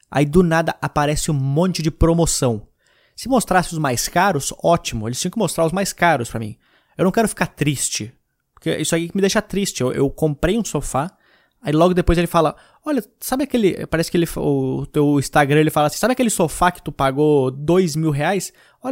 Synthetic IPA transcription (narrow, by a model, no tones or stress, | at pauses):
a̰id̪ʊnad̪ɐʔapaɾɛsɪũmõnt͡ʃɪd͡ʒɪpɾomosɐ̃w̃ | sɪmost̪ɾasɪʊzmajskaɾʊsɔt͡ʃimʊelɪst͡ʃĩɐ̃kɪmost̪ɾaɾʊzmajskaɾʊspɾɐmḭ̃ | ewnɐ̃w̃kɛɾʊfi̥kaɾt̪ɾist͡ʃɪ | poɾkeʔisʊaɛikɪmɪd̪ejʃɐt̪ɾist͡ʃɪewʔḛwkõpɾejũsofa | ailɔɡʊd̪epojzelɪfalɐ | ɔʎɐ | sabɪakelɪpaɾɛsɪkɪelɪfaʊt̪ewĩst̪aɡɾɐ̃elɪfalɐasĩsabɪakelɪsofakɪ̥t̪upaɡod̪ojzmiwɦeajs | ɔʎ